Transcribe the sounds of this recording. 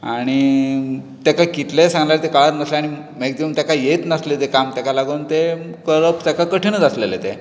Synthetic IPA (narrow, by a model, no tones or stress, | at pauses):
aɽ̃i | t̪jakakit̪lesãŋɡljaɾt̪ekaɭat̪nəsleaɽ̃i | mekd̪emt̪jakajet̪nəslet̪ekamt̪jakalaɡuːnt̪ekəɾəpt̪akakəʈʰənət͡saslelet̪e